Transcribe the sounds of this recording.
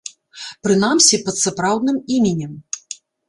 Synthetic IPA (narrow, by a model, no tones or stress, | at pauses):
pɾɨnamsʲipɐt̪sapɾawd̪̚nɨmimʲɛnʲɛm